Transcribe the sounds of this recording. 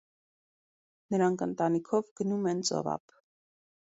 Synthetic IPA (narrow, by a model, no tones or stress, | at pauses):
nəɾɑŋkʰənt̪ɑnikʰɔvɡ̥ənumɛnt͡sɔ̰vɑ̰p